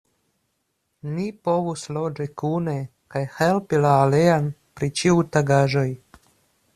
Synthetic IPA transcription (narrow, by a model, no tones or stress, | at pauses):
nipovuslod͡ʒekune | kajhelpilaːleanpɾit͡ʃiujtaɡaʒoj